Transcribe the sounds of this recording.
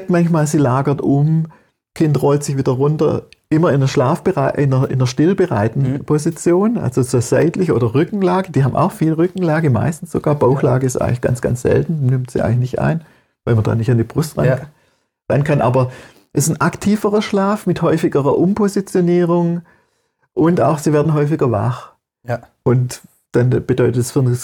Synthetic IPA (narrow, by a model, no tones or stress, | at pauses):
k̚tmançmaːlziːlaːɡɐtʔʊm | kʰɪntʁɔltzɪçv̥iːdɐʁʊntɐ̰ʔɪmɐɪnəʃlaːfb̥əʁaɪʔɪnɐʔɪ̰nɐʃtɪlbəʁa̰ɪtn̩pʰozit͡sjoːnʔa̰lz̥ozoːz̥a̰ɪtlɪçʔoːdɐʁʏkŋ̩laːɡəd̥iːɦabmʔa̰ʊxfiːlʁʏkŋ̩laːɡəma̰ɪstn̩sz̥oɡ̥aːɐb̥aʊxla̰ːɡəɪstʔa̰ɪŋ̩lɪçɡ̥a̰nsɡ̥a̰nt͡sz̥ɛ̰ltn̩nɪmtz̥ḭʔa̰ɪŋlɪçnɪçtʔa̰ɪn | vaɪlmɐnda̰ːnɪçtandiːb̥ʁʊstʁannʰ | ʁ̥a̰ɪnkʰanʔa̰ːbɐ | ʔɛsn̩ʔaktʰiːfəʁɐʃlaːfmɪthɔʏfɪɡəʁɐʔʊmpʰozit͡sjoniːʁʊŋ | ʔʊntaʊxz̥iːvɛːɐdn̩ɦɔʏf̬ɪɡɐva̰χ | ʔʊnt | d̥anb̥ədɔʏtətsfyːɐn